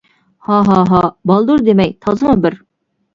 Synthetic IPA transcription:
hɑɦɑɦɑbɑlˠd̪uɾd̪emɛjt̪ʰɑzɨmubɪɾ

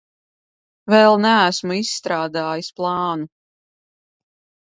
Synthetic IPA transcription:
vɛlˠnæːsmuisːt̪ɾaːd̪aːjisplˠɑːnu

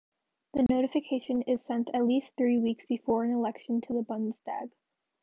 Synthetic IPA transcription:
ðɨnoʊɾɨfɨkʰeɪʃɨ̃nɪz̥sɛ̃ntʰɨtˡlisθɹiwiksb̥ɨfɔɹɨ̃nəlɛkʃɨ̃n̩tʰɨðəbʌ̃nstæ̰ɡ̥

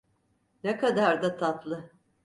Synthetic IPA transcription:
nekad̪aɾd̪at̪ʰat̪lˠɯ

